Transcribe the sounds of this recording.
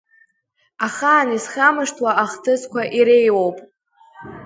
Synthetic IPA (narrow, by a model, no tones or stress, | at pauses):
aχaːnisχamɨʂtʰwaʔaχtʰɨzkʷʰaʔiɾejwowpʼ